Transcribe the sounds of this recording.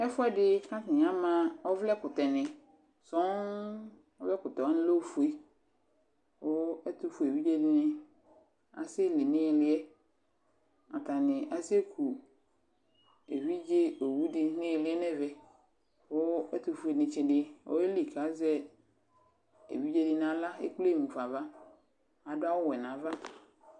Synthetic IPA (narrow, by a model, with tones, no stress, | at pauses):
ɛ˦fʊ˦ɛ˦dɪ˦kʰã˦tɪ̃˨ɲ˦ã˦mã˦ɔ˦vlɛ˦kʊ˨tɛ˨nɪ̃˨ | sɔ̃˦n | ɔ˦vɛ˦kʊ˨tɔ˨ɔ˦nɪ̃˦lo˦˨fu˨e˦ | wʊ˦ɛ˦tʰʊ˦fu˨e˨wi˦d͡ʒe˦dɪ˦nɪ̃˦ | a̰˨sɪ˦li˨nɪ̃˦ɛ˨lɪ˦ɛ˦ | a˨tʰã˨nɪ̃˨ʔa˨se˦kʰu˨ | e˨wi˦d͡ʒe˦o˨wu˦dɪ˦nɪ̃˦e˨lɪ˨˦ɛ˦nɛ̃˦vɛ˨ | wo˦e˦t̪u˨fu˦e˨nɪ̃˨t͡ʃɪ˨dɪ˦wo̰˦e˦li˨kʰa˨˦zɛ˦ | ḛ˨wi˦d͡ʒe˦di˦nã˨la˦ḛ˦k͡ple˦˨mũ˨fa˨va˦ | a˨dʊ˦a˦wʊ˦wɛ˨nã˨va˦